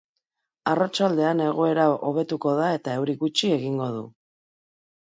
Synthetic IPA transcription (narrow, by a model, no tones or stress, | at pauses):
arat͡ʃald̪e̞ane̞ɣ̞o̞e̞ɾaʔo̞β̞e̞t̪uko̞ðae̞t̪ae̞wɾiɣut͡ʃie̞ɣiŋɡo̞ð̞u